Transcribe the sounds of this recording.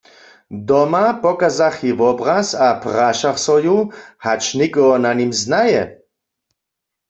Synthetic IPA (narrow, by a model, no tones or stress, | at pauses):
d̪ɔmapɔkazaχivɔbʁasapʁaʃaχsɔjuhat͡ʃnikʼɔɔnanimznajɛ